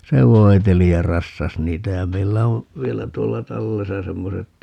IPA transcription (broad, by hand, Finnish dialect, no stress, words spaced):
se ʋoi̯teli jɑ rɑsːɑs niːtæ jɑ meilːæ on̞ ʋielæ tuolːɑ tɑlːesɑ semːoset